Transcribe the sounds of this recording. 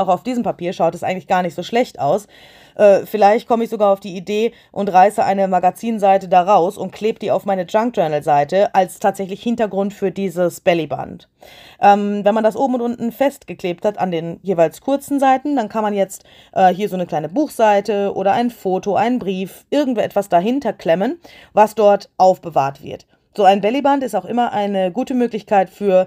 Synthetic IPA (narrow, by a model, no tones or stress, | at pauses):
aʊxaʊfd̥iːzəm̩papʰiːɐʃaʊtɛsʔaɪɡŋ̩tlɪçɡ̥aːɐnɪçtz̥oːʃlɛçtaʊs | ʔɛːfɪlaɪçt̚kʰɔməɪçz̥oɡaːɐaʊfd̥iːideː | ʔʊntʁaɪsəʔa̰ɪnəmaɡat͡siːnzaɪtədaːʁaʊsʊntkʰl̥eːbəd̥iːa̰ʊfmaɪnəd͡ʒaŋk̚d͡ʒ̥œɐnl̩zaɪtəʔalstʰaːtz̥ɛçlɪçhɪntɐɡʁʊntfyːɐdiːzəsb̥ɛliba̰nt | ʔɛːmvɛnmandasʔoːbm̩ʊntʔʊntn̩fɛst̚ɡ̥əkleːp̚thatandeːnjeːvaɪlskʰʊɐt͡sn̩zaɪtn̩dankʰanmanjɛt͡st | ʔɛːɦiːɐzoːnəkl̥aɪnəbuːxz̥aɪtəʔo̰ːɾɐʔaɪnfoːtoʔa̰ɪnənbʁiːfʔɪɐɡŋ̩tv̥oːʔɛtv̥asd̥aɦɪntɐkʰl̥ɛmən | vasd̥ɔɐtʔaʊfb̥əva̰ːɐtv̥ɪ̰ɐt | z̥oːaɪnbɛlibantɪstaʊxʔɪmɐʔaɪnəɡuːtəmøːklɪçkʰaɪtfyːɐ